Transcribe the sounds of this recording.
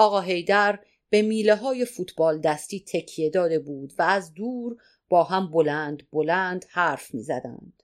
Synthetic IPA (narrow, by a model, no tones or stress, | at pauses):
ʔɒːɣɒːɦe̞jd̪æɾ | b̥emiːleɦɒːje̞fuːt̪ʰbɒːld̪æst̪iːt̪ʰecʰije̞d̪ɒːd̪e̞buːd̪væːzd̪uːɾ | b̥ɒːɦæmbolænd̪bolænd̪̥hæːɾfmḭːzæd̪æ̰nd̪̥